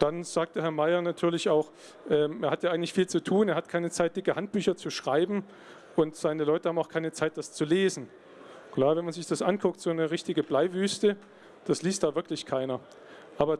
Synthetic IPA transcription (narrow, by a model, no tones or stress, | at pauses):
d̥anz̥aːk̚təɦɛɐmaɪɐnatʰyːɐlɪçaʊx | ʔɛːmʔeːɐhatjaːɪŋ̩tlɪçfiːlt͡sutʰuːneːɐhatkʰaɪnət͡saɪt̚d̥ɪkəhant̚b̥yːçɐt͡suʃʁ̥aɪbm̩ | ʔʊntz̥aɪnəlɔʏtəhaːmaʊxkʰaɪnət͡saɪt̚d̥ast͡suleːzn̩ | kl̥aːvɛnmanzɪçd̥asʔankʰʊk̚tz̥oːnəʁɪçtɪɡəblaɪvyːstə | d̥asliːst̚d̥aːvɪɐklɪçkʰaɪnɐ | ʔaːbɐ